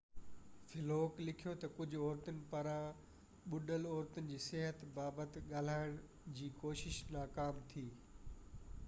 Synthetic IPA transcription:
fɪloːklɪkʰijot̪ɐkʊd͡ʑʱʊɔːɾt̪ʊnɪ̆pɐɾã | ɓʊɖəlɔːɾt̪ʊnɪ̆d͡ʑiːsɪɦət̪baːbət̪ɠaːl̤aːɪɽ̃ | d͡ʑiːkoːʃɪʃnaːkaːmt̪ʰiː

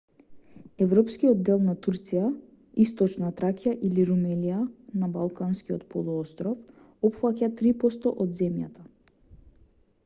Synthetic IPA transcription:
ɛvɾɔpskiɔd̪d̪ɛlˠnat̪uɾt̪sija | ist̪ɔt͡ʃnat̪ɾakijaʔiliɾumɛlijanabalˠkanskiɔt̪pɔlˠuɔst̪ɾɔf | ɔpfacat̪ɾipɔst̪ɔ̰ʔɔd̪zɛmja̰t̪a

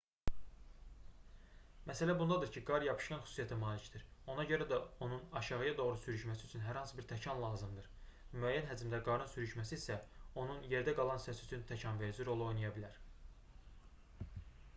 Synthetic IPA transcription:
mæsælæbund̪ɑd̪ɯɾcʰiɡɑɾjɑpʰɯ̥ʃkɑnxy̥su̥sijæt̪ʰæmɑːlicd̪iɾo̞nɑɟø̞ɾæd̪æo̞nunɑʃɑʁɯjɑd̪o̞ʁɾusyɾyʃmæsiyt͡ʃʰynɦæɾhɑnsɯbiɾt̪ʰæcʰɑnlˠɑːzɯmd̪ɯɾmyæjːænɦæd͡ʒimd̪æɾɡɑɾnɯnsyɾyʃmæsiːsæo̞nunje̞ɾd̪æɡɑlˠɑnsæsyt͡ʃ̪ʰynt̪ʰæcʰɑnveɾid͡ʒiɾo̞lˠo̞jnɑjɑbilæɾ

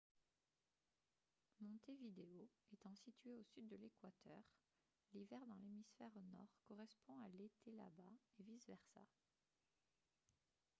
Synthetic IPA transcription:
mɔ̃t̪evid̪eoet̪ɑ̃sit̪ɥeosyd̪ːəlekwat̪ʰœʁ | livɛʁd̪ɑ̃lemisfɛʁnɔʁkɔʁɛspɔ̃alet̪ʰela̰baevizvɛʁsa̰

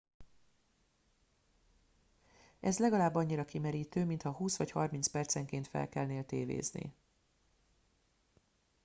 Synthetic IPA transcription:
ʔɛzlɛɡɒlaːbːɒɲːiɾɒkimɛɾiːt̪øːmint̪hɒɦuːsʋɒchɒrmintspɛrt̪sɛŋkeːnt̪fɛ̰lkɛlneːlt̪eːvḛːznḭ

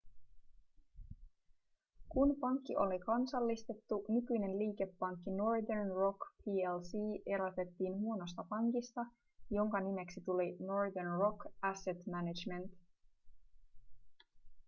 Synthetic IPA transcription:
kunpɑŋkːiʔo̞likɑnsɑlːist̪e̞t̪ːunykyjne̞nliːke̞pːɑŋkːino̞rd̪ernro̞kpʰiːelsiːʔe̞ɾɑt̪e̞t̪ːiːnhuo̞no̞st̪ɑpɑŋkist̪ɑ | jo̞ŋkɑnime̞ksit̪ulino̞ɹd̪ernro̞kæse̞t̪mænid͡ʒme̞nt̪

